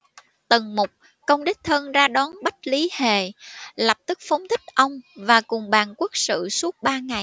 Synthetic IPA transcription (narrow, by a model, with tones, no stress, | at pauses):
t̪ə˨˩ŋmʊ˨˩k͡p̚ | kə˧wŋ͡mɗi˦˥k̟̚t̪ʰə˧nzaː˧ɗɔ˨˦nɓa˦˥k̟̚li˨˦he˧˨˩lə˨˩p̚t̪ɨ˦˥k̚fə˨˦wŋ͡mt̪ʰï˦˥k̟̚ʔə˧wŋ͡mvaː˨˩kʊ˨˩ŋ͡mɓaː˨˩nku˦˥ək̚sɨ̰˧˨su˦˥ət̚ɓaː˧ŋa˨˩j